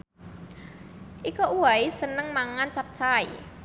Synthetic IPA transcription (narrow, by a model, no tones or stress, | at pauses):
ʔikoʔuwaisənəŋmaŋant͡ʃap̚t͡ʃai